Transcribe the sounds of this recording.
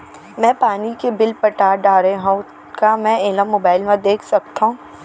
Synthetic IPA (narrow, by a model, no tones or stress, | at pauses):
mɛ̃ːpaːnikebɪlpəʈaːɾɖaːɾeɦũ | kamɛ̃eːləmːoːbaːɪlmẽd̪eːkʰsɐk̚t̪aɦũː